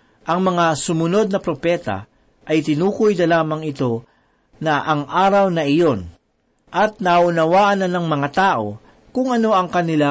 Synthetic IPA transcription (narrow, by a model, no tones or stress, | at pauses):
ʔɐŋmɐŋasʊmʊno̞d̪̚nɐpɾopɛːt̪ɐ̰ | ʔɐjt̪ɪnuːkʊjnɐlaːmɐŋɪt̪o̞ | nɐʔɐŋʔaːɾɐwnɐʔɪjo̞n | ʔɐt̪̚nɐʊnɐwaːʔɐnɐnɐŋmɐŋat̪aːʔo̞ | kʊŋɐno̞ɐŋkɐnɪla